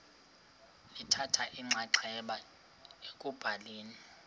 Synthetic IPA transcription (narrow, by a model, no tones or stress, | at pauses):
litʰatʰaʔiŋ͡ǀʱaǀʰɛɓa | ekʼub̥ʱaleːni